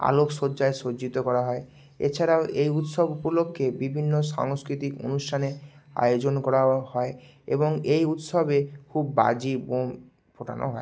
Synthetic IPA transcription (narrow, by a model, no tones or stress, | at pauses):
a̰loksod͡ʑaesoit̪okɔɾaɦɔe | ḛt͡ɕʰaɾaoʔejut̪ʃobupolokʰːebibʱinːoʃa̰ŋskɾit̪iko̰nusʈʰanea̰jod͡ʑonkɔɾahɔe | ḛboŋejut̪ʃobekʰubːa̰d͡ʑibom | pʰoʈʰa̰nʔo̰ɦɔe